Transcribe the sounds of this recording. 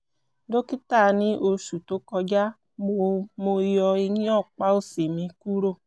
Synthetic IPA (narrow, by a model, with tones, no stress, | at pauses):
do˦ki˦ta˦˨˧nĩ˦ʔo˧ʃu˨to˨˦kɔ˧d͡ʒa˦ | ɡ͡bo˨mo˧jɔ˧i˧nĩ˦ɔ˦˨k͡pa˦o˦˨si˨mĩ˧ku˦ɾo˦˨